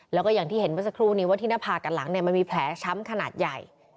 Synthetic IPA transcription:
lɛː˦˥kɔː˥˩jaː˨˩ŋt̪ʰiː˥˩he˩˦nwa˦˥t̚sa˧kʰɾuː˥˩niː˦˥waː˧˩t̪ʰiː˥˩naː˥˩pʰaː˧˩ka˨˩nla˩˦ŋni˩ɐma˧nmiː˧pʰlɛː˩˦t͡ɕʰa˦˥mkʰa˧naː˨˩t̪̚ja˨˩j

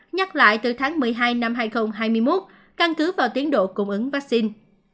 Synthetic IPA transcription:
ɲa˦˥k̚la̰ː˧˨jt̪ɨ˨˩t̪ʰaː˨˦ŋmɨ˨˩əjɦaː˧jna˧mɦaː˧jxə˧wŋ͡mɦaː˧jmɨ˧jmo˦˥t̚ | ka˧nkɨ˨˦vaː˨˩wt̪i˨˦ənɗo̰˧˨kʊ˧˩ŋ͡mʔɨ˨˦ŋvaː˦˥k̚si˧n

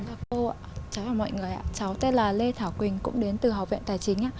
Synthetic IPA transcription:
laː˨˩ko˧ʔa̰ː˧˨t͡ɕa˨˦jaː˨˩mɔ̰˧˨jŋɨ˨˩əjʔa̰ː˧˥t͡ɕa˨˦wt̪e˧laː˨˩le˧t̪ʰaː˧˩wkwï˨˩ŋ̟kʊ̰˧˥ŋ͡mɗe˨˦nt̪ɨ˨˩ɦa˨˩w̚vɛ̰˧˨nt̪aː˨˩jt͡ɕï˨˦ŋ̟ʔa̰ː˧˥

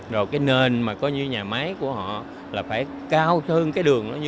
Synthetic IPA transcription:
zo˨˩jkaː˨˦jne˨˩nmaː˨˩kɔ˨˦ɲɨ˧ɲaː˨˩maː˨˦jku˧˩əhɔ̰˧˨ | laː˨˩faː˧˩j | kaː˧wt̪ʰə˧ŋkaː˨˦jɗɨ˨˩əŋɗɔ˨˦ɲ˧

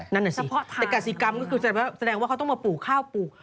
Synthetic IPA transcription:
na˥˩nʔaː˨˩si˨˩˧ɛ˨˩ka˨˩t̚si˨˩˦ka˧mkɔ˥˩kʰɯː˧ssa˧dɛː˧ŋwaː˥˩kʰa˦t̪ɔ˥˩maː˧puː˨˩kʰaː˥˩wpuː˨˩k̚

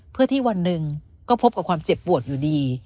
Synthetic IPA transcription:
pʰɯ˥˩ət̪ʰiː˥˩wa˧nːɯ˨˩ŋ | kɔː˥˩pʰo˦˥p̚ka˨˩p̚kʰaː˧mt͡ɕe˨˩pːu˨˩ət̪̚juː˨˩diː˧

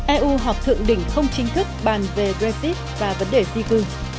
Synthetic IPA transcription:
ʔɛ˧ʔu˧ɦɔ˨˩p̚t̪ʰɨ̰˧˨əŋɗï˧˩˦ŋ̟xə˧wŋ͡mt͡ɕï˨˦ŋ̟t̪ʰɨ˦˥k̚ɓaː˨˩nve˨˩ɡɹe˧zi˦˥t̚vaː˨˩və˨˦nɗe˨˩zi˧kɨ˨˩

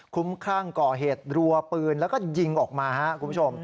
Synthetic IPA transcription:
kʰu˦˥mkʰaː˥˩ŋkɔː˨˩ɦeː˨˩t̪̚ɾu˧ɐpɯː˧nlɛː˦˥wkɔː˥˩ji˧ŋʔɔː˨˩k̚maː˧ha˦˥ʔkʰu˧mpʰu˥˩o˧m

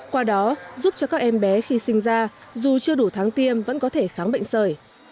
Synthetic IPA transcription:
kwaː˧ɗɔ˨˦zu˦˥p̚t͡ɕɔ˧kaː˦˥k̚ʔɛ˧mɓɛ˨˦xi˧sï˧ŋ̟zaː˧zu˨˩t͡ɕɨ˧əɗu˧˩t̪ʰaː˨˦ŋt̪i˧əmvə̰˧˥nkɔ˨˦t̪ʰe˧˩xaː˨˦mɓə̰˧˨ŋ̟səː˧˩j

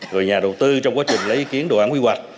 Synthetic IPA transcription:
ɣɔ˨˩jɲaː˨˩ɗə˨˩wt̪ɨ˧t͡ɕɔ˧wŋ͡mkwaː˦˥t͡ɕï˨˩ŋ̟lə˨˦jʔi˧˩ki˨˦ənɗo̰˨˩˨ʔaː˧˥nhwi˧hwa˨˩k̚

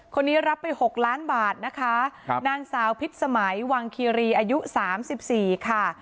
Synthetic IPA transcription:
kʰo˧nːiː˦˥ɾa˦˥pːa˧jho˨˩k̚laː˦˥nbaː˨˩t̪̚na˦˥kʰa˦˥naː˧ŋsaː˩˦wpʰi˦˥t̪̚sa˧ma˩˦jwaː˧ŋkʰiː˧ɾiː˧ʔaː˧ju˦˥saː˩˦msi˨˩p̚siː˨˩kʰa˥˩

